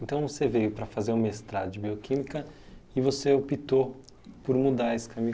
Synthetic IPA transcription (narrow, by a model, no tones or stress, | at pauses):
ẽnt̪ɐ̃w̃vosevejʊpɾɐfazeɾũmɐest̪ɾad̪ɐd͡ʒɪbiokʰĩmikɐ | ɪvoseopit̪o | poɾmud̪aɾesɪ̥kɐmĩ